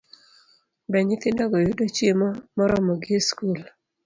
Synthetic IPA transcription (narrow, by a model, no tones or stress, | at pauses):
bɛɲɪt̪ɪndɔɡɔjudot͡ʃjemɔmɔɾɔmɔɡɪeskul